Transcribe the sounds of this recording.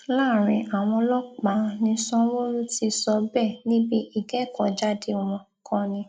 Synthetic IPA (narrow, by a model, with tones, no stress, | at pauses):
laː˦˨ɾ̃ĩ˧ʔa˨w̃ɔ̃˧lɔ˦k͡pa˨˦nĩ˧˦sɔ̃˦wo˦ɾu˦ti˧sɔ˧bɛ˦˨nĩ˦bi˦ʔi˦˨ɡɛ˦˨kɔ̃˨d͡ʒa˦de˧w̃ɔ̃˧ | kʰɔ̃˧˨nĩ˧˦